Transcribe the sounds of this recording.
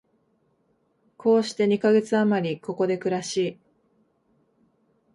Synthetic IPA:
kʰo̞ːɕi̥t̪e̞ɲ̟ikaɡe̞t͡sɨamaɾʲiko̞ko̞d̪e̞kɯ̟ɾaɕiː

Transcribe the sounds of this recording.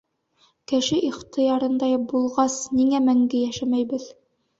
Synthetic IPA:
kɘ̆ʃɘʔiχt̪ɤ̆jɑɾɤ̆nd̪ɑjbulˠʁɑsniŋæmæŋɡɘjæʃæmæjbɘð

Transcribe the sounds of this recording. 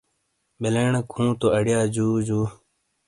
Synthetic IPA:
beleːɳkʰũːt̪oəɽjaːd͡ʑuːd͡ʑuː

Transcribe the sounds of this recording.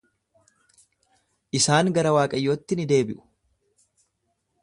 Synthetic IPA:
ʔɪsaːŋɡɐɾɐwaːkʼɐjːo̞ːt̪ːɪnɪd̪e̞ːbɪʔʊ̥

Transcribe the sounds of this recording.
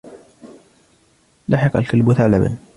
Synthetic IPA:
laħɪqa̰lkalbʊθaʕlaba̰n

